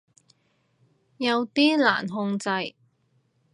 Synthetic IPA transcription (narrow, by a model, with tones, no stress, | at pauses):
jɐ˨˧wt̪iː˥la̰ː˨˩nɦʊ˧ŋt͡sɐ˧j